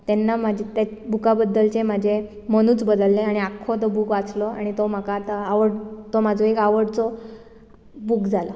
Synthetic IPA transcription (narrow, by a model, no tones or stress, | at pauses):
t̪enːam̤ad͡ʑʱet̪ebʱukabəd̪ːəlt͡ɕem̤ad͡ʑʱe | məñuːt͡sbəd̪əlːẽaɽ̃iakʰːot̪obʱukʋat͡slɔa̰ɽ̃it̪om̤akat̪əaʋəɽt̪omad͡zʱoekaʋəɽt͡sɔ | bukd͡zʱalɔ